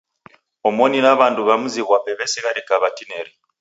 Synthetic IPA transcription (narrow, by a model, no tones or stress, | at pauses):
omoninaβanduβamuziɣwaβeβeseɣaɾikaβatineɾi